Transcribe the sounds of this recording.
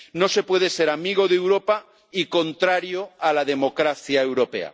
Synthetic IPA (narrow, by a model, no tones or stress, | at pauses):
no̞se̞pwe̞ð̞eseɾamiɣ̞oðewɾopa | iko̞nt̪ɾaɾjoalaðemo̞kɾaθjaewɾope̞̰a̰